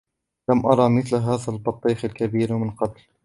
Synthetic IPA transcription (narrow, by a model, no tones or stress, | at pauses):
lamʔɑɾˤɑmɪθlɦaːðalbɑt̪ˤːiːxalkabiːɾmənqɑt̪l